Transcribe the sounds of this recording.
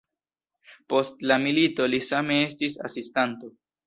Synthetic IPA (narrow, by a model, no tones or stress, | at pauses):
po̞stlamilito̞lisame̞e̞s̬tisa̰sistanto̞